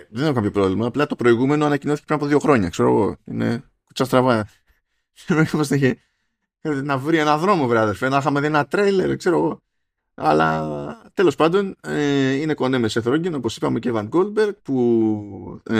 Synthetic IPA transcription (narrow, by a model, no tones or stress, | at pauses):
ðenexokɐpço̞pɾo̞vlimɐːplɐt̪o̞pɾo̞iɣume̞noɐnɐcino̞θice̥pɾinɐpoðio̞xɾo̞ɲɐ̰kse̞ɾo̞̰ɣo̞̰ḭne̞̰ | ku̥t͡sɐst̪ɾɐvɐ | veomosneçe | nɐvɾienɐðɾo̞mo̞vɾɐðesfenɐxɐmeðienɐt̪ɾejleɾkse̞ɾo̞ɣo̞ | ɐlɐ̰t̪e̞lo̞spɐnd̪o̞neine̞ko̞nemeseθɾoɟenopo̞si̥pɐmecevɐnɡolbeɾɡpu